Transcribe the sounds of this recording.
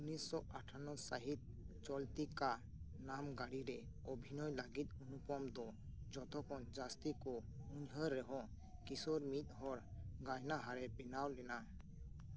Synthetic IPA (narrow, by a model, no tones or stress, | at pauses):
unisːɔaʈʰanɔsaɦit̪̚t͡ʃɔlt̪ika | namɡaɽiɾɛ | ɔbʱinɔjlaɡit̪̚unupɔmd̪ɔd͡ʒɔt̪ʰɔkʰɔnd͡ʒast̪ikɔuɲɦəɾːɛɦɔ̃ | kisɔɾmit̪̚ˀɦɔɾɡajnaɦaɾɛbɛnawlɛna